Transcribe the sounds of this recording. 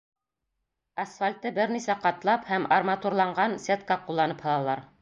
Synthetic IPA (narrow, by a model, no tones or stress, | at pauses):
ɐsfalʲt̪ɤbɘɾnisæqɑt̪lˠɑphæmɐrmat̪uɾlˠɑɴɢɑnsʲet̪̚kɑqulˠːɑnɤphɑlˠɑlˠɑɾ